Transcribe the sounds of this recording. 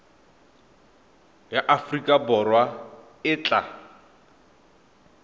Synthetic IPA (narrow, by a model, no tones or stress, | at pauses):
jaʔafrikʼabɔrwa | ɪːt͡ɬʼa